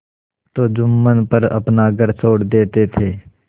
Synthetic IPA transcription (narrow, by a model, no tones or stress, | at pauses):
t̪oːd͡ʒʊmːənpəɾɐ̰pnaɡəɾsʰoːɽd̪eːt̪et̪ʰeː